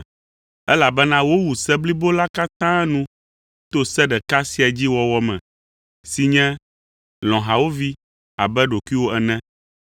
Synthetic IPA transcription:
ɛ˦la˨bɛ˦nã˦wo˦wu˨sɛ˦bli˦bo˦la˦ka˦t̪ã˦nũ˦ | t̪o˦sɛ˦ɖɛ˨ka˦si˦a˨d͡ʑi˦wɔ˦wɔ˦mɛ̃˨ | si˨ɲɛ̃˦ | lɔ̃˨ɦa˨wo˦vi˦ | a˨bɛ˦ɖo˨kʷi˦wo˦ɛ˨nɛ̃˦

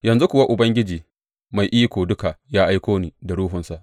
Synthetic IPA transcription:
jɐ˨nzu˦kʷʊ˨wa˦ʔʊ˨bɐ˦ŋɡʲɪ˦d͡ʒiː˨ | ma˨jʔiː˦kʷoː˨dʊ˦ka˨ʔjaː˦ʔa˦jkʷoː˦niː˨da˨ɽuː˦ɦʊ˨nsa˨ʔ

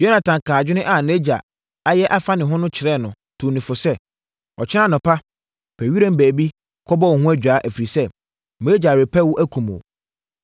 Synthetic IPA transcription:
jo˦nã˨tʰã˨ŋ˨kʰãː˨d͡ʑᶣɪ˦nʊ̃˦ʔa˨ne˦d͡ʑa̰˨ | a˦jɛ˦ʔa˦fa˦nɪ̃˨ɦʊ̃˦nʊ̃˦t͡ɕʰɪ˨ɾɛ˦˨nʊ̃˨ | tʰũ˨nĩ˨fʊ˨sɛ˦ | ɔ˨t͡ɕʰɪ˦ã˦nʊ̃˨pʰa˦ | pʰæ˨ɥi˦ɾã˦m̩˦bæː˨bi˦ | kʰɔ˦bɔ˦wɔ˨hʊ̃˦æ˦d͡ʑᶣaː˨˦ʔæ˨fi˨ɾi˨sɛ˦ | m˨e˦d͡ʑa˨ɾe˨pʰæ˦wʊ˦ʔæ˦kʰũ˨mo̰˨

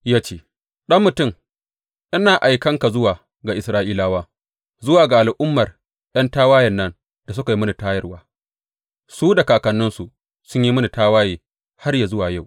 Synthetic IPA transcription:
jaː˦t͡ʃeː˦˨ | ɗɐ˦mːʊ˨tʊ˦˨m | ʔɪ˦naː˨ʔa˨jkɐ˦ŋka˨zʊ˦waː˨ | ɡa˨ʔɪ˨sɾaː˦ʔiː˦laː˦waː˦ | zʊ˦waː˨ɡa˨ʔa˨lʔʊ˦mːɐ˨r | jɐ˦ntaː˦waː˦jɐ˨nːɐ˦n | d̥a˨s̬ʊ˦ka˨ji˦mʊ˦ni˨taː˦jɐ˦rwa̰ː˨˦ | suː˦da˨kaː˨kɐ˨nːʊ˦nsu˨ | sʊ˦ɲji˦mʊ˦ni˨taː˦waː˦jeː˨ | ha˦rja˨zʊ˦waː˨ja˦˨w

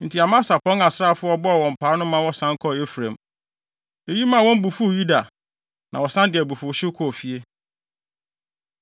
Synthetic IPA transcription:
n̩˨tʰi˨a˨mã˦sa˨pʰɔ̃˦ŋa˨sɾa˦˨fʊ˦ɔ˦bɔ˦a˨wɔ̃˨m̩˨pʰaː˨˦nʊ̃˦mã˦wɔ˦sã˦ŋ˦kʰɔ˦e˦fɾẽ˨m | e˦˨ji˦mã˦˨wɔ̃˦m˦bu˨fu˦˨ju˦da˨ | nʔã˨wɔ˨sã˦ndɪ˨ɛ˨bu˨fʊ˨ɕɪ˦kʰɔ˦˨fi˨e˦

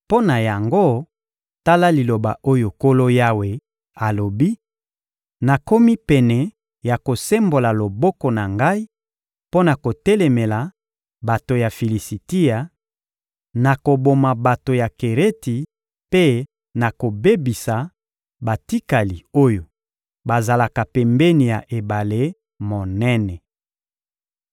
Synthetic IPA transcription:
po˦na˨ja˨ŋɡo˦ | ta˦la˦li˨lo˨ba̰˨ʔo˦jo˨ko˦lo˦ja˦we˨ | a˨lo˨bi˦ | na˨ko˦mi˦pɛ˨nɛ˨ | ja˨ko˨se˦mbo˨la˨lo˨bɔ˦kɔ˨na˨ŋɡa˦i˦ | po˦na˨ko˨tɛ˦lɛ˨mɛ˨la˨ | ba˨to˨ja˨fi˨li˨si˨ti˦ja˨ | na˨ko˨bo˨ma˨ba˨to˨ja˨ke˨ʁe˦ti˨ | pe˦ | na˨ko˨be˦bi˨sa˨ | ba˨ti˦ka˨li˨o˦jo˨ | ba˨za˨la˨ka˨pɛ˨mbe˦ni˨ja˨ʔe˨ba˨le˦ | mo˨nɛ˦nɛ˨

